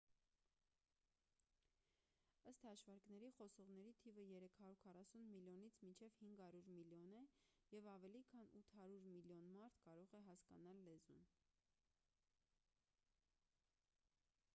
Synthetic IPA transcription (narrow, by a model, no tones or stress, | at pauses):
əst̪hɑʃvɑɾknɛɾiχɔsɔʁnɛɾit̪ʰivəjɛɾɛkʰhɑɾuɾkʰɑrɑsunmiljɔnit͡sʰmint͡ʃʰɛvhiŋɡhɑɾuɾmiljɔnɛjɛvɑvɛlikʰɑnut̪ʰhɑɾuɾmiljɔnmɑɾt̪ʰkɑɾɔʁɛɦɑskɑnɑlːɛzun